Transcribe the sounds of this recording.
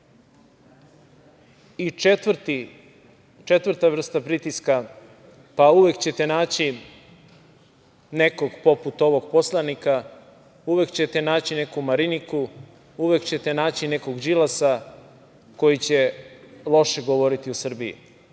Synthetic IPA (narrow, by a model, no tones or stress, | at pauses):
iet̪ʋrt̪i | t͡ʃet̪ʋr̩t̪aʋr̩st̪apɾit̪iska | pauʋe̞kt͡ɕe̞t̪e̞naːt͡ɕi | ne̞ko̞ɡpo̞put̪o̞ʋo̞ɡpo̞slˠanika | uʋe̞kt͡ɕe̞t̪e̞naːt͡ɕine̞kumaɾiniku | uʋe̞kt͡ɕet̪e̞naːt͡ɕine̞ko̞ɡd͡ʒilasa | ko̞jit͡ɕe̞lˠo̞ʃeɡoʋo̞ɾit̪iusr̩bijḭ